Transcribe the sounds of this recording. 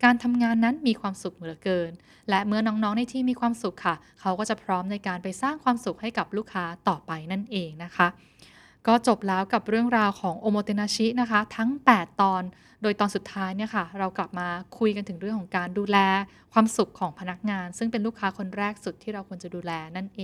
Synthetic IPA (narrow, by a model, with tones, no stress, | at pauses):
kaː˧nt̪ʰa˧mŋaː˧nːa˦˥nmiː˧kʰwaː˧msu˨˩k̚mɯ˩˦əkɤː˧n | lɛ˦˥ʔmɯ˥ɐnɔː˦˥ŋnɔː˦˥ŋna˧˥jt̪ʰiː˧˩miː˧kʰwaː˧msu˨˩kʰːa˥˩ | kʰa˦˥wkɔː˥˩t͡ɕa˨˩pʰɾɔː˦˥mna˧jkaː˧npa˧jsaː˥˩ŋkʰwaː˧msu˨˩k̚ha˥˩jka˨˩p̚luː˥˩kʰːaː˦˥t̪ɔː˨˩pa˧jna˥˩nʔeː˧ŋna˦˥kʰa˦˥ʔ | kɔː˥˩t͡ɕo˨˩p̚lɛː˦˥wka˨˩p̚ɾɯ˥˩əŋɾaː˧wkʰɔː˩˦ŋʔo˧moː˧t̪e˧naː˧t͡ɕʰi˦˥na˦˥kʰa˦˥t̪ʰa˦˥ŋp̪ɛː˨˩t̪ːɔː˧n | doː˧jt̪ɔː˧nsu˨˩t̪ʰːaː˦˥jni˥˩ɐkʰa˥˩ɾa˧wkla˨˩p̚maː˧kʰu˧jka˧nt̪ʰɯ˩˦ɾɯ˥˩əŋkʰɔ˩˦kaː˧nduː˧lɛː˧ | kʰwaː˧msu˨˩kʰːɔː˩˦ŋpʰa˧na˦˥k̚ŋaː˧nsɯ˥˩ŋpe˧nluː˥˩kʰːaː˦˥kʰo˧nɾɛː˥˩k̚su˨˩t̪ʰːiː˥˩ɾa˧wkʰu˧ənt͡ɕa˨˩duː˧lɛː˧na˥˩nʔeː˧